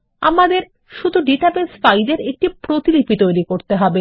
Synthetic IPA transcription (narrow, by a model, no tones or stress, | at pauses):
a̰mad̪eɾ | ʃud̪ʱuɖiʈabesfajɖeɾek̚ʈipɾot̪ilipit̪ojɾikoɾt̪eɦɔbe